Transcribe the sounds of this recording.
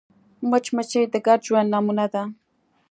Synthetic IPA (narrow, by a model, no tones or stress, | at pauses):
mat͡ʃmat͡ʃajt̪akat͡ʃwanamʊnat̪a